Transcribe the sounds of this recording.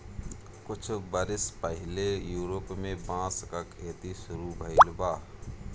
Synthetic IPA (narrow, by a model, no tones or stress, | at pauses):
kʊt͡ʃʰbəɾɪspəɦɪlejuːɾoːpmẽbãːskakʰeːt̪isʊɾubʱəɪlbaː